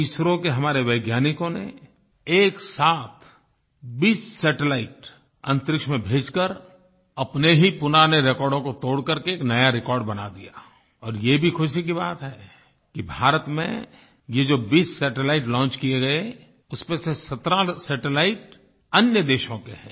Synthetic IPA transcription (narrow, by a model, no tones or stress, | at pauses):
t̪iːsɾõkeɦɐmaːɾeʋəɪɡjaːnɪkõnḛ | eːksaːt̪ʰ | biːsːɛːʈelaːɪʈ | ɐ̃nt̪ɾɪkʃmẽbʱeːd͡ʒkəɾ | ɐpneɦipʊnaːneɾekɔːɾɖõkot̪oːɽkɐɾkeːknɐjaɾɪkɔːɾɖbɐna̰d̪ijaː | ɔːɾjebʱixʰʊʃik̬ibaːt̪ɦɛː | kibʱaːɾət̪mḛ̃ | jed͡ʒoːbiːsːɛːʈelaːɪʈlɔ̃ːnt͡ʃkijeɡɐe | ʊsmẽsesɐt̪ɾasɛːʈelaːɪʈ | ɐnjəd̪eːʃõkeɦɛ̰̃ː